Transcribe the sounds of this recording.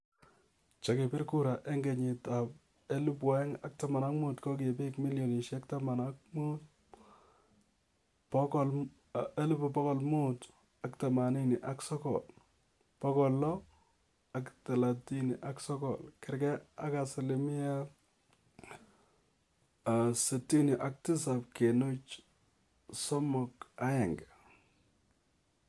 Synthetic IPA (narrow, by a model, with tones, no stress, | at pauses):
t͡ʃa˨ke˨pɪ˦ɾku˦ɾa˨ʔe˦ŋɡe˨ɲɪ˨ta˨p̚ | e˦lu˦pwa˦ɛ˦ŋa˨k̚ta˦ma˨na˦kmu˦tkɔ˦k̬e˨pi˦kmi˦ljɔ˨ni˨ʃa˦k̚ta˦ma˨na˦k̚mut̚ | pɔ˦kl | e˦lu˦pu˨pɔ˦kɔ˨lmu˦t | a˨kta˨ma˨ni˦ni˨ʔa˨ksɔ˦kɔ̰˨l | pɔ˦kɔ˨lːɔ˦ | a˨kta˨la˨ti˦ni˨ʔa˨ksɔ˦kɔ̰˨lkɪ˨ɾkɛ˦a˦ka˨sɪ˨li˨mi˦a˦ | a˨se˨ti˦nɔ˨ʔa˨k̚tɪ˦sa˨p̚ke˨nu˦t͡ʃ | sɔ˦mɔ˨ka˦jɛ˨ŋɡe˨